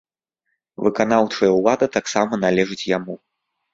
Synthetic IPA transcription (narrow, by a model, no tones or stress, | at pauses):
vɨkan̪awt͡ʂɐjɐulˠad̪ɨt̪aksamɐnalʲɛʐɨt͡sʲjamu